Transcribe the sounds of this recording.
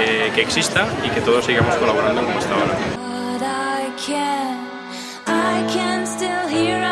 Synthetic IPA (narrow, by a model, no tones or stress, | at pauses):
keːksist̪aike̞t̪oð̞osiɣamosko̞laβo̞ɾãnd̪okomoest̪aoɾaɾaɪkʰæn | aɪkʰæ̃nstɪlˠɦi